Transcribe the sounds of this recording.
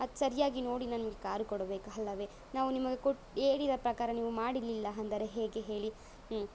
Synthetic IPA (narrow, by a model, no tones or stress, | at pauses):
ɐd̪sɐɾijaːɡino̞ːɽinɐnimɐɡe̞kaːɾukɔɽɐbe̞ːkuɦɐlːɐʋeː | naːʋunimɐɡe̞koʈeːɽid̪ɐpɾɐkaːɾɐniːʋumaːɽilːilːɐɐnd̪ɐɾe̞ɦeːɡeɦe̞ːɭi